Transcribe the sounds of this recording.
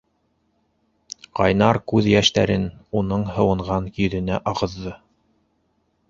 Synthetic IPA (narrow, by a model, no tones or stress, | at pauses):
qɑjnɑɾkʉðjæʃt̪æɾɘnunɤɴɦɤ̆wɤ̆ɴʁɑnkjɵ̆ðɘ̆næʔɑʁɤ̆ðːɤ